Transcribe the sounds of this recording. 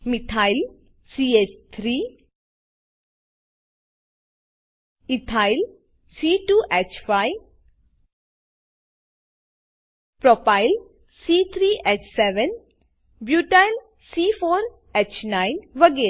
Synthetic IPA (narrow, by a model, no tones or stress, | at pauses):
mit̪ʰaɪl | siet͡ʃt̪ʰɾiː | it̪ʰaɪl | siːʈuːʔɛt͡ʃfaɪ | pɾɔpaɪl | siːt̪ʰɾiːʔet͡ʃsɛʋən | bjuːʈajl | siːfoːɾ | et͡ʃnaɪnʋəɡeː